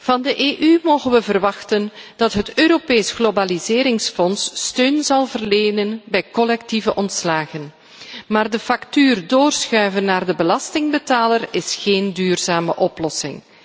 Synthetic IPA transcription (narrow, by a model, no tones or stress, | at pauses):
v̥ɑndəʔeːʔymoːɣənʋəvərʋɑxtənd̥ɑtɦətøːɾopeːjsɣlobalizɪːɾɪŋsfɔnsːtøːnzɑlˠvərleːnənbɛjkɔlɛk̚tivəʔɔntslaːɣən | maːrdəfɑktyːrdoːrsxœɥvənːaːrdəbəlɑstɪŋbətaːlərɪsxeːndyːrzaːmə̰ʔɔplɔsɪ̰ŋ